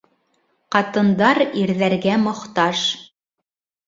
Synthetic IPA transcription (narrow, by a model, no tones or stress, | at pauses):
qɑt̪ɤ̆nd̪ɑɾiɾðæɾɡæmŏχt̪ɑʃ